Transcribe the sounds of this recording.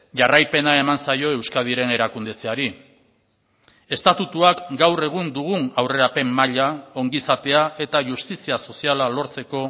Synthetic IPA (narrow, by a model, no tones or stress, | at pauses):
ʝarajpe̞nae̞mansajo̞e̞wskað̞iɾe̞ne̞ɾakund̪e̞t͡seaɾi | e̞st̪at̪ut̪uakɡawre̞ɣ̞und̪uɣunawre̞ɾape̞mːaʎao̞ŋɡisat̪e̞aʔe̞t̪aʝust̪isiaso̞sialalo̞ɾt͡se̞ko̞